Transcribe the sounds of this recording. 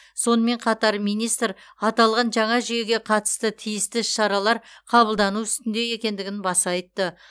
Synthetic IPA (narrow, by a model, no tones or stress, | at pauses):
so̞nəme̞ɴqʰɑt̪ɑɾmijnijst̪ɾɑt̪ɑlˠʁɑnʒɑɴɑʒʏje̞ɡʲe̞qʰɑt̪ə̥st̪ət̪ʰijɪst̪ɪʃɑɾɑlˠɑɾqʰɑbəlˠd̪ɑnuʏst̪ɪnd̪e̞je̞kʲe̞nd̪ɪɡʲɪnbɑsɑjt̪ːə